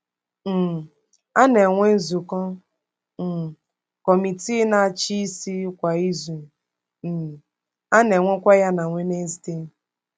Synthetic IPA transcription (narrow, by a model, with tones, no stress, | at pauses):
m̩˨ | a˦ne˨ŋʷe˦n̩˦zu˨kɔ˦ | m̩˨ | kɔ˨mi˨ti˦na˨t͡ʃi˦si˦kʷa˨i˦zu˨ | a˦ne˨ŋʷe˦kʷa˦ja˦na˨ŋʷe˦ne˦zi˨te˦